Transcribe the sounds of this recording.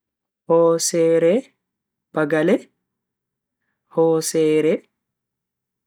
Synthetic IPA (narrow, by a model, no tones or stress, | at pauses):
hɔːsɛːɾɛ | b̥aɡalɛ | hɔːsɛːɾɛ